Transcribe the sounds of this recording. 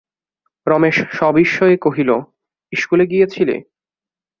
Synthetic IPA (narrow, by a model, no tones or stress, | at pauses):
ɾɔmeʃʃɔbiʃːɔekoɦilo | iʃkuleɡijet͡ɕʰilḛ